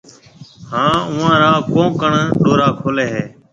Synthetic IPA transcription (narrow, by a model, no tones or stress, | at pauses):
hãːʊʋãːɾaːkõːkəɳɗoːɾaːkʰoːleːɦeː